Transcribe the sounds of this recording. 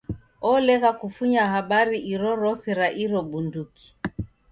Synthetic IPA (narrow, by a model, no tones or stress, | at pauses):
ɔlɛɣakufuɲaɦaɓaɾiʔiɾɔɾɔsiɾaʔiɾɔɓunduki̥